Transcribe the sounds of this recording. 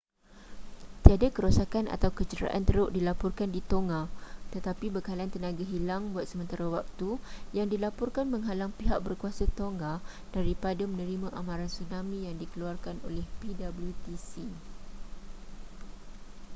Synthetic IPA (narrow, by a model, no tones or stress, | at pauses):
t̪iadakəɾosakana̰t̪awkət͡ʃəɾa̰ʔa̰nt̪əɾʊʔdilapɔrkandit̪oŋat̪ət̪apibəkalaant̪ənãɡaɦilaŋbuat̪̚səmə̃nt̪aɾawak̚t̪ujaŋdilapɔrkanmə̃ŋɦalaŋpiɦak̚bərkuasat̪oŋɡa | d̥aɾipadamə̃nəɾimãʔamãɾansunãmĩjaŋdikəluarkano̰lɛhpidabəljut̪isi